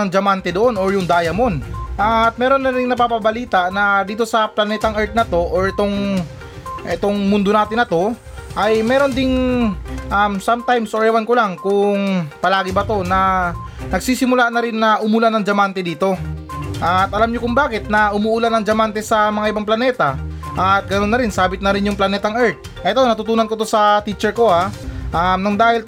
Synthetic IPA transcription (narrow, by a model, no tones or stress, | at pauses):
ɐŋd͡ʒɐmant̪ɛd̪oʔo̞noɹjʊŋd̪aːjɐmonʔɐt̪̚mɛːɾo̞nːɐɾɪŋnɐpapɐbɐliːt̪ɐʔnɐd̪iːt̪o̞sɐplɐnɛːt̪ɐŋɛɹt̪̚nɐt̪o̞ʔoɹʔɛt̪o̞ŋ | ʔɛt̪o̞ŋmʊnd̪onaːt̪ɪnɐt̪o̞ | ʔɐjmɛːɾo̞nd̪ɪŋ | ʔamsamt̪ajmsʔoɹɛwɐnkʊlaŋkʊŋpɐlaːɡɪbɐt̪o̞nɐ | nɐɡ̚siːsɪmʊlanɐɾɪnːɐʔʊmʊlanɐŋd͡ʒɐmant̪ɛd̪iːt̪o̞ʔɐt̪ʔɐlamɲokʊŋbaːkɪt̪̚nɐʔʊmuːʔʊlanɐŋd͡ʒɐmant̪ɛsɐmɐŋaʔɪbaŋplɐnɛːt̪ɐʔɐt̪̚ɡɐno̞nːɐɾɪnsaːbɪt̪nɐɾɪnjʊŋplɐnɛːt̪ɐŋʔɛɹt̪̚ | ʔɛt̪onɐt̪ut̪uːnɐnkot̪o̞sɐt̪it͡ʃɛɹko̞aʔamnɐŋd̪aːhɪl